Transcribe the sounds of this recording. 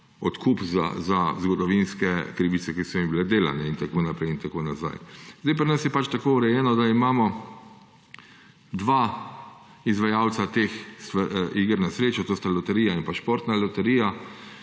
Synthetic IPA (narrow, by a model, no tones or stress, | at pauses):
ɔt̪kʰuːpza̰zazɡɔd̪ɔʋinskɛkɾiʋit̪sɛkisɔimbilɛd̪eːla̰nɛint̪akoːnapɾɛjint̪akoːnaza̰jzd̪ajp̬ɾinasjɛpat͡ʃt̪akoːuɾɛjɛːnɔd̪aimaːmɔ | d̪ʋaː | izʋajaw̪sat̪eːxsiɡəɾnasɾeːt͡ʃut̪oːst̪alɔt̪ɛɾiːjaimpaʃpoɾt̪nalɔt̪ɛɾiːja